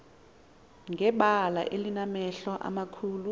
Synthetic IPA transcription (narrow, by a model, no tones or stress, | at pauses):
ŋɛɓala̰ʔelinamɛɬɔʔa̰makʰuːlu